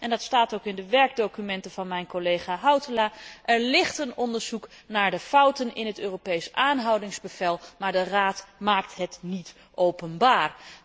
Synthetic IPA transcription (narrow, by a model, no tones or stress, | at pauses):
ʔɛndɑtstaːtowkɪndəʋɛɹɡ̚dowkymɛntəvɑnmɛjnkolejχaːɦɑwtəlaːʔɛɹlɪχtənɔndəɹzuknaːɹdəfʌwtənɪnɦətøːropejsʔaːnɦʌwdɪŋzbəvɛlˠmaːɹdəraːtmaːk̚tɦətnit | ʔowpənbaːr